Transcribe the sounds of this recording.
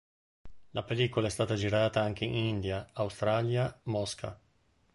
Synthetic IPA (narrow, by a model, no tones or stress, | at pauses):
lapeliːkolaɛst̪aːt̪ad͡ʒiɾaːt̪aaŋk̟einind̪jaːwst̪ɾaljamɔskʰa̰